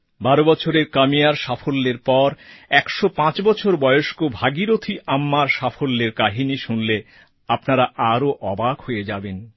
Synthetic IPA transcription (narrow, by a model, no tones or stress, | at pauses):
baɾobɔt͡ɕʰoɾeɾkamijaɾʃafolːeɾpɔɾɛkʃopãt͡ɕbɔt͡ɕʰoɾbɔeoʃkobʱaɡiɾot̪ʰiʔamːaɾʃafolːeɾkaɦiniʃunle | apnaɾaʔaɾoʔɔbakhoed͡ʑaben